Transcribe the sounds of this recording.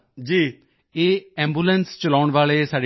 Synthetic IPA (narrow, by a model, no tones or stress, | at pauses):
d͡ʒiː | eːɛ̃ːmbuːlənst͡ʃəlaːɳʋaːɭeːsaːɖ